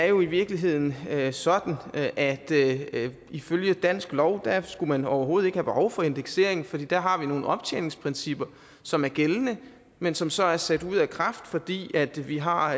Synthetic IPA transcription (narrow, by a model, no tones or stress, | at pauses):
æɐjo̝iʋiɐɡ̥liɦe̝ð̞̰ˠn̩sɒ̽d̥n̩ʔæd̥ | iføljəd̥æn̰sɡ̥lɒʊd̥æsɡ̥umænɒʊɐɦo̝ːð̞̩ˠe̝ɡ̥hæb̥e̝hɒʊfɒ̽e̝nd̥eɡ̥se̝̰ɐe̝ŋn̩fɒd̥ḭːd̥æɐɦɑ̈ʋino̝ːn̩ɒ̽b̥t͡sʰḛːne̝ŋspʰʁensib̥ɐ | sɒ̽mæɐɡ̥elnə | mensɒ̽msɒ̽æɐsæd̥uð̞̰ˠækʰʁɑ̈fd̥fɒ̽d̥ḭːæd̥ʋiɦɑ̈